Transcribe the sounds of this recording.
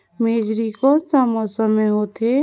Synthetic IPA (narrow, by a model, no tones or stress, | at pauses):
meːd͡ʒɾikosamɔsəmẽɦot̪ʰe